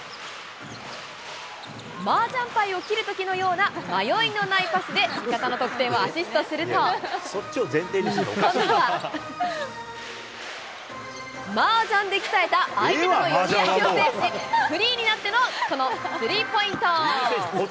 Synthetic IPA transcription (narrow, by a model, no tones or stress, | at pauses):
maːd͡ʑãmpaio̞kʲiɾɯ̟t̪o̞kʲino̞jo̞ːnamajo̞ino̞naipasɨd̪e̞mʲikat̪ano̞t̪o̞kɯ̟t̪ẽ̞ɰ̃oaɕisɨ̥t̪o̞sɨɾɯ̟tt̪osot͡ɕːiozẽ̞nt̪ẽio̰ | maːd͡ʑãnd̪e̞kʲi̥t̪aet̪aːieanojooeeɸɯ̟ɾʲiːɲ̟inat̪ːeno̞ko̞no̞sɨɾʲiːpo̞ĩnt̪o